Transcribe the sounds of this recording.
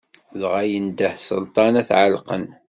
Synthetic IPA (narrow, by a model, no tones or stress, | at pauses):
ðʁajənd̪əhsə̰lt̪ˤɑnæθʕalqən